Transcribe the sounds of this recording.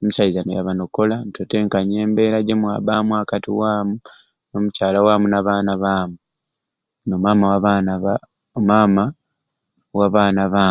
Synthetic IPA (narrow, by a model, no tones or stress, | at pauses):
musaizanoja̰βanokolantʰote̞ŋkaɲe̞ːmbe̞ɾaɟemwa̰ːbaːmuakatḭwaːmu | no̞mucaːlawaːmunaβaːnaβaːmu | nomaːmawaβan | mama | waβaːnaβaː